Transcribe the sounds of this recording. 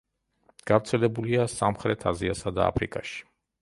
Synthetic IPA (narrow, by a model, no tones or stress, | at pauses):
ɡ̥avɾt̪sʰɛlɛbuliasamχɾɛt̪ʰaziasad̪aa̰pʰɾikʼaʃi̥